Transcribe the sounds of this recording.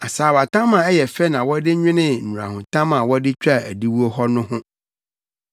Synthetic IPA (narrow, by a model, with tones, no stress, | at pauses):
a˨saː˨wa˨tʰã˦mã˨ɛ˦jɛ˨fɛ˦nã˨wɔ˦dɪ˦ɲᶣɪ̃˦nɪ̃˦n̩˨ũ˨ɾa̰˨hʊ̃˨tʰã˦mã˨wɔ˦dɪ˦t͡ɕᶣa˦˨æ˨di˦wu˦o˦hɔ˦nʊ̃˦hʊ̃˦